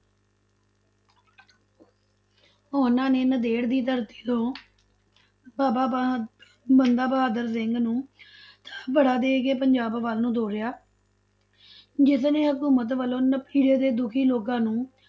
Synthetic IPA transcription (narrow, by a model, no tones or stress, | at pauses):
ɦoːnãːneːnəd̪eːɽd̪iːt̪əɾt̪i̥ːt̪õː | baːbaː | bənd̪aːbəɦaːd̪əɾs̬ɪŋɡnũːt̪ḁːbəɽaːd̪eːkeːpəɲd͡ʒaːbʋaːlnũːd̪oːɾɪjaː | d͡ʒɪsnẽːɦəkuːmət̪ʋəlõːnəpiːɽeːd̪eːd̪ʊkʰiːloːkãːnũː